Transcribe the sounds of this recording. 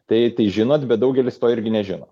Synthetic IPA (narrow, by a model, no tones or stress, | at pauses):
t̪ɐɪt̪ɐɪʒʲɪnoːt̪bʲɛt̪d̪ɐʊɡʲɛlʲɪst̪oːɪɾʲɡʲɪnʲɛʒʲɪno̰ː